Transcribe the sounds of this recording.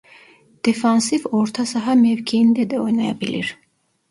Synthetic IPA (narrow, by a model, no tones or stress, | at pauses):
d̪̥efɑnsivoɾt̪ʰasɑɦɑmevkʰiind̪ɛd̪ɛojnɑjɑbilḭɾ